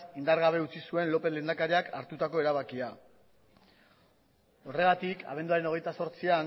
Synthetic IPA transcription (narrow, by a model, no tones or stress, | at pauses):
ind̪aɾɣaβe̞ut͡sisue̞nlo̞pele̞ːnd̪akaɾiaka̰ɾt̪ut̪ako̞e̞ɾaβakia | o̞re̞ɣ̞at̪ikʰa̰β̞nd̪uaɾe̞no̞ɣ̞e̞jt̪aso̞ɾt͡sian